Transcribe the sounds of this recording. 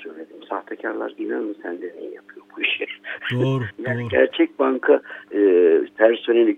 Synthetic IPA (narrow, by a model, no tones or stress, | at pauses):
søjlʲed̪imsaht̪ʰacʰaɾlˠa̰ɾɡ̪inanmusænd̪ɛnejɛ̰japʰɯjo̞ɾbuiʃɛ | janɡæ̰ɾt͡ʃʰɛc̚baŋkʰa | pʰæɾsonelʲi